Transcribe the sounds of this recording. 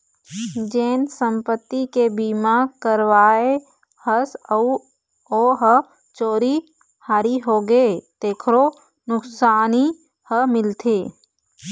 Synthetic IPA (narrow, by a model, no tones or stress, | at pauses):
d͡ʒeːnsə̃mpət̪ːikebimakəɾwaːe | həsəu | oːɦə | t͡ʃoːɾi | haːɾiɦoːɡet̪eːkʰɾo | nʊksaːni | həmɪlt̪ʰeː